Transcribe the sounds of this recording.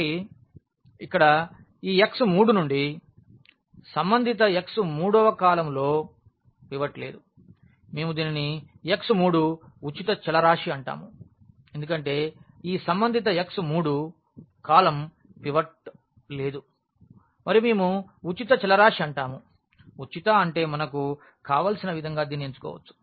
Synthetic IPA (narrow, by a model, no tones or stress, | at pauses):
i | ikːɐɽɐ | iːeksumuːɽunuɳɖi | sɐmbɐnd̪ʱit̪ɐeksumuːɽɔːʋɐkaːlɐmlo̞ː | piʋɐʈle̞ːd̪u | meːmud̪iːnini | eksumuːɽu | ut͡ʃit̪ɐt͡ʃɛlɐɾaːʂiɐɳʈa̰ːmu | end̪ukɐɳʈe̞ːiːsɐmbɐnd̪ʱit̪̬ɐeksumuːɽu | kaːlɐm | piʋɐʈ̚ | le̞ːd̪u | mɐɾiume̞ːmuut͡ʃit̪ɐt͡ʃɛlɐɾaːʂiɐɳʈaːmu | ut͡ʃit̪aɐɳʈe̞ːmɐnɐku | kaːʋaːlsinɐʋid̪ʱɐŋɡaːd̪iːnieɲt͡ʃu̥kɔ̰ːʋɐ̰t͡ʃːu̥